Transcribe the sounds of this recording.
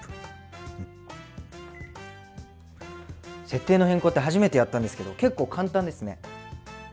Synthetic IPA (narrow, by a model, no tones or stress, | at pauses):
se̞t̪ːe̞ːno̞hẽ̞ŋko̞ːt̪ːe̞ɦaʑime̞t̪e̞jat̪ːãnd̪esɨke̞d̪oke̞kːo̞ːkʰãnt̪ãnd̪e̞sɨne̞